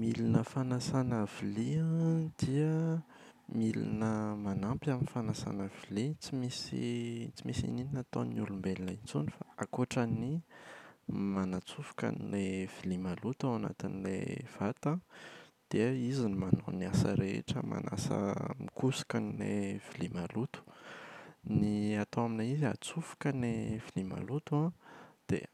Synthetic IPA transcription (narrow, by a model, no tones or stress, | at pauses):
milinəfanasanaviliãd̪̥iə | milḭnəmanampʲaminifanasa̰navilit͡simisḭt͡simisḭnininat̪onulumbelinait͡sunifaakoʈ͡ʂani | manat͡sufu̥ka̰nilev̥ilimalut̪awana̰t̪inilḛv̥at̪ad̪̥eizinimanoniasə̰ɾeḛʈ͡ʂəma̰nʔa̰sə̰mikusḁkanilḛv̥ilimalut̪u̥ | niat̪oaminaiza̰t͡sufu̥kənev̥ilima̰lut̪uad̪̥ḛ